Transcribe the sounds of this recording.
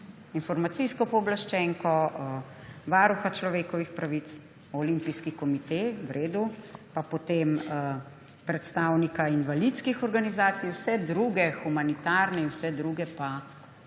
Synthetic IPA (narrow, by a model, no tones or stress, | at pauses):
infɔɾmat̪siskɔpɔːblaʃt͡ʃɛŋkɔ | ʋaːɾuxat͡ʃlɔʋeːkɔʋixpɾaʋit̪s | ɔlimpiskikɔmit̪ewɾʔeːd̪upapot̪eːm | pɾɛt̪st̪aːwnikainʋalit̪skixɔɾɡanizaːt̪sijwsɛd̪ɾuːɡɛxumanit̪aɾnɛinwsɛd̪ɾuɡɛpa